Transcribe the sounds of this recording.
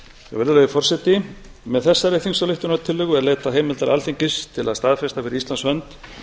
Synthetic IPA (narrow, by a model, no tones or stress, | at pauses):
ɛ̰ɣvɛɾðʏlɛɣðʏfɔr̥sɛt̪ɪ | mɛðθɛsːaɾeθiŋsawlɪht̪ʏnat̪ʰːɪlːœɣʏɛɾleːt̪aɦeːjmɪlt̪aɾalθiɲcɪst̪ʰɪla̰ðst̪aðfɛst̪afɪɾɪɾislansvœnt̪